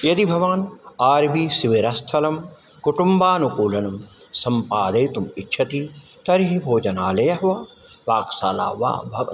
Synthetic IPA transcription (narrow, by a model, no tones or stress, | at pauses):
jɐd̪ibʱɐʋaːnaːɾbiːsiʋeɾɐst̪ʰɐlɐm | kuʈumbaːnukuːlɐnɐmsɐmpaːd̪ɐjt̪umitːʃʰɐt̪i | t̪ɐɾiɦibʱoːd͡ʒɐnaːlɐjɐɦʋɐ | ʋaːksaːla̰ːʋa̰ːbʱɐʋɐ̰